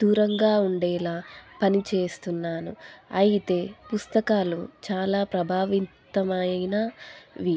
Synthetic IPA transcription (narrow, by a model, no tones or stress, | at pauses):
d̪̥uːɾɐŋɡaːuɳɖɛːlaːpɐnit͡ʃe̞ːst̪unːaːnṵɐjit̪e̞ːpust̪ɐkaːlut͡ʃaːlaːpɾɐbʱaːʋint̪ɐmɐjjnɐʋi